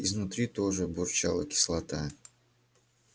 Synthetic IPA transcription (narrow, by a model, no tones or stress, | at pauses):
iznʊt̪ɾʲit̪oʐɨbʊrt͡ɕalˠəkʲɪ̥slˠɐt̪a